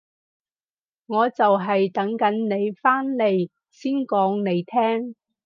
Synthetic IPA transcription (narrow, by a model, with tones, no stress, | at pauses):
ŋɔː˨˧t͡sɐ˨wɦɐ˨jt̪ɐ˨˥ŋkɐ˨˥nne˨˧jfaː˥nle˨˧j | siː˥nkɔː˨˥ŋne˨˧jt̪ʰɛː˥ŋ